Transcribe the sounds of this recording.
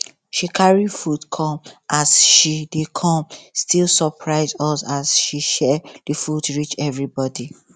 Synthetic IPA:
ʃikʰaɹifutkʰɔ̃mʔasʃidekʰɔ̃mstilˠsɔpʰɹaɪzɔsasʃiʃɛd̥ifudɹit͡ʃɛvɹibɔdi

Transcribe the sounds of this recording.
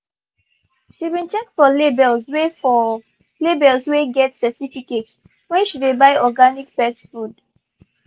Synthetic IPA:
ʃibĩnt͡ʃɛk̚fɔlebɛlzwefɔ | lebɛlsweɡɛtsɛtifikets | wɛ̃ʃdebaɪɔɡanikfɛsfud

